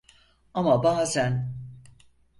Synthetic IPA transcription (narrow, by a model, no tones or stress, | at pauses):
amabaːzæn